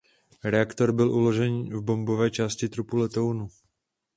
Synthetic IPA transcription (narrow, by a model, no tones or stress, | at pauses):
ɾɛakt̪o̞ɾbɪlʔulo̞ʒɛnvbo̞mbovɛːt͡ʃaːscɪt̪ɾupulɛt̪ownu